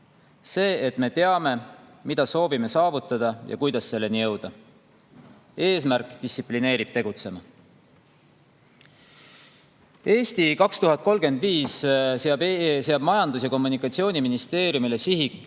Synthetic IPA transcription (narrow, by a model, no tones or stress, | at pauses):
se̞ːet̪me̞t̪e̞ɑme̞mid̪̥ɑso̞ːvime̞sɑːvut̪ˑːɑd̪̥ɑjɑ̰kujd̪ɑsːe̞lːe̞nijɤ̞wd̪̥ɑ | e̞ːsmærkːˑd̪̥istːsipline̞ːɾib̥t̪e̞ɡ̥ut̪se̞mɑ | e̞ːst̪ikɑkst̪uɦɑt̪̚ˑko̞lɡ̥e̞nd̪viːsseɑbseɑb̥mɑjɑnd̪us̬jɑko̞mːunikːˑɑt̪sio̞ːnʲiminist̪e̞ːɾjumile̞siɦikːˑ